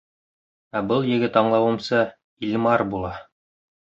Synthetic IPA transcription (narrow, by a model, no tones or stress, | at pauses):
æbɤlˠjɘ̆ɡɘt̪ɑɴlˠɑwɤ̆msɤ | ilʲmɑɾbulˠɑ